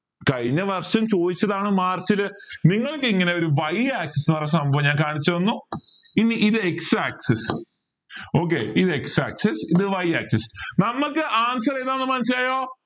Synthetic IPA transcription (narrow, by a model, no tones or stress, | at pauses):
kɐɻiɲːɐʋɐrʂɐmt͡ɕo̞ːðit͡ɕːɐðaːɳɨmaːrt͡ɕilɨniŋːɐɭkɨiŋːɐne̞o̞ɾuʋɐjaːksesʋɐres̬ɐmbɐʋɐɲaːnkaːɳit͡ɕːɐʋɐnːuinːiʔiðɨeksaːkses | o̞ːk̬ːḛːiðɨeksa̰ːksesiðɨʋɐjaːk̚sesnɐmːɐkːɨʔaːnsɐreːnaːnːɨmɐnɐsilaːjo̞ː